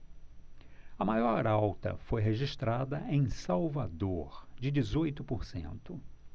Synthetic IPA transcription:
ɐmajɔɾawt̪ɐ̰fojɦeʒiʃt̪ɾad̪ɐʔẽj̃sawvad̪oɾd͡ʒɪd͡ʒizojt̪ʊpoɾsḛ̃nt̪ʊ

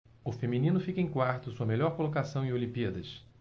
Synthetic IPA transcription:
ʊfemĩnĩnʊfikɐẽj̃kwaɾt̪ʊsuɐmeʎɔɾkolokasɐ̃w̃ẽolĩmpiɐd̪ɐʃ

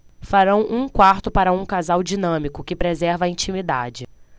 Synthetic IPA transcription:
faɾɐ̃w̃ʔũkwaɾt̪ʊpaɾɐũkazawd͡ʒinɐ̃mikʊkɪpɾezɛɾvɐĩnt͡ʃĩmid̪a̰d͡ʒɪ

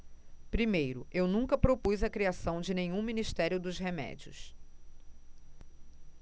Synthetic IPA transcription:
pɾimejɾʊewnũŋkɐpɾopujzɐkɾiasɐ̃w̃d͡ʒɪnẽɲũminist̪ɛɾjʊd̪ʊzɦemɛ̰d͡ʒiʊ̰s

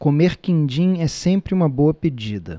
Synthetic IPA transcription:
komeɾkĩnd͡ʒĩɛsẽmpɾɪũmɐbowɐped͡ʒid̪ɐ

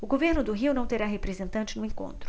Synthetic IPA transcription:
ʊɡoveɾnʊd̪ʊɦiwnɐ̃w̃t̪eɾaɦepɾezẽnt̪ɐ̃nt͡ʃɪnʊẽŋkõ̰nt̪ɾʊ

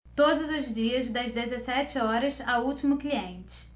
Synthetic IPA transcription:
t̪od̪ʊzʊzd͡ʒiɐzd̪ɐzd̪ezesɛt͡ʃɪɔɾɐsauwt͡ʃimʊkliẽnt͡ʃɪ̥

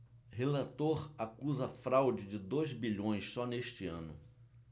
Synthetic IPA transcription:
ɦelat̪oɾakuzɐfɾawd͡ʒɪd͡ʒɪd̪ojzbiʎõj̃ssɔneʃt͡ʃɪɐ̃nʊ

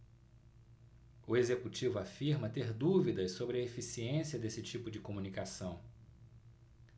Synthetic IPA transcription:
ʊezekut͡ʃivʊafiɾmɐt̪eɾd̪uvid̪ɐsːobɾɪɐefisiẽsiɐd̪esɪt͡ʃipʊd͡ʒɪkomũnikasɐ̃w̃

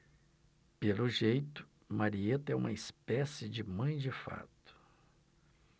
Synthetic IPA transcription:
pelʊʒejt̪ʊ̥ | maɾiet̪ɐɛṵ̃mɐispɛsɪd͡ʒɪmɐ̃j̃d͡ʒɪfa̰t̪ʊ̥

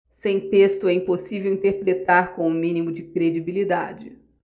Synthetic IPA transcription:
sẽj̃t̪est̪ʊɛĩposivewĩnt̪eɾpɾet̪aɾkõw̃ũmĩnimʊd͡ʒɪkɾed͡ʒibilid̪ad͡ʒɪ

